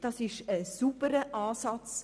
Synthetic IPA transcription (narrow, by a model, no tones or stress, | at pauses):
d̥ɑsɪʃəsubəɾəʔɑːsɑt͡s